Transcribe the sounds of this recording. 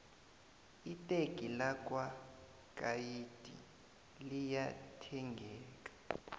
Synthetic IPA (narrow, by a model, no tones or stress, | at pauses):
itʼekʼilakʼwa | kʼajitʼḭ | lijatʰɛŋɡʱɛːkʼḁ